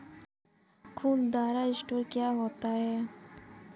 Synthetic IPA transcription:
kʰuːnd̪aːɾaɪsʈoːɾkjaːɦoːt̪aɦɛː

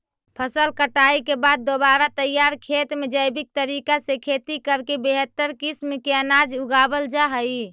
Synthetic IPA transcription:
pʰəsəlkəʈaikebad̪̚ːobaɾat̪əjaɾkʰet̪med͡ʒəjbik̚t̪əɾikasekʰet̪ikəɾkebeɦət̪ːəɾkismkeənad͡ʒuɡabəld͡ʒaɦəj

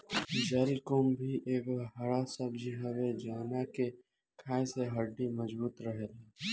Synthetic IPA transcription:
d͡ʒaːɾikombʱiʔeːkɦɐɽasəbd͡ʒiɦɐwed͡ʒaːnake | kʰaːẽseɦɐɖːimɐd͡ʒbuːt̪ɾəɦele

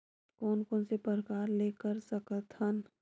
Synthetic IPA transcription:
kɔːnkɔːnsepəɾəkaːɾleːkəɾsɐkət̪hən

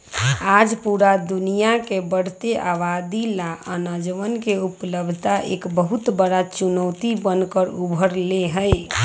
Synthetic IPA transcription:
ad͡ʒpuɾad̪unijakebəɽ̤t̪eʔaʋad̪ilaʔənəd͡ʒʋənkeupləb̪ʱt̪aʔḛkbəɦut̪bəɽat͡ʃunəwt̪ibənkəɾubʱəɾleɦəj

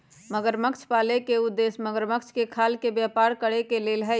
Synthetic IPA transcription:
məɡəɾməkt͡ʃʰpaːlekeʊd̪ːeːsməɡəɾməkt͡ʃʰkekʰaːlkebjaːpaːɾkəɽekeleːlɦɛ

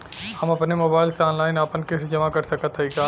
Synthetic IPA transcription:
hɐmɐpnemoːbaːɪlseɔːnlaːɪnapənkɪsd͡ʒɐmakɐɾsɐkət̪ʰɦɐikaː

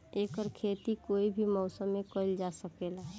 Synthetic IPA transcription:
eːkəɾkʰeːt̪ikoːibʱimɔʊsəmːẽkəɪld͡ʒasəkela

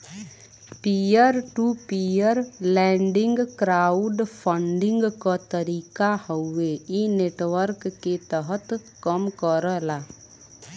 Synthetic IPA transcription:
pijəɾʈupijəɾlɛ̃ːɳɖɪ̃ŋɡkɾaːʊɖpʰə̃ɳɖɪ̃ŋɡkat̪əɾiːkahəʊːeineːʈwəɾkːet̪əɦət̪ | kəmkəɾəlaː

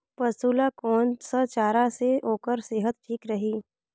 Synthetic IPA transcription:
pɐsuːlakɔːnsət͡ʃaːɾaseoːkəɾseːɦət̪̚ʈʰiːkɾɐɦiː

